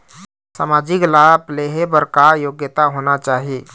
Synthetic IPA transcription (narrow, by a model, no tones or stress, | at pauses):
sa̰mad͡ʒiklapleɦebəɾkajoɡjət̪aɦonat͡ʃaːɦi